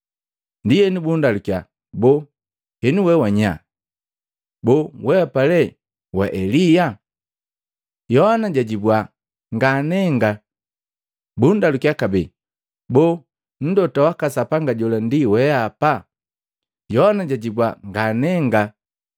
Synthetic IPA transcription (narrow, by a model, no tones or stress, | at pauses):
ndijɛnibundalukja | bɔ | hɛniwɛwaɲa̰ | bɔwɛapalɛ | wa̰ʔɛlija | jɔhanaɟaɟibwa | ŋɡanɛŋɡa | bundalukiakabɛ | bɔ | n̩dɔtawakasapaŋɡaɟɔlandiwɛapa | jɔhanaɟaɟibwaŋɡanɛŋɡa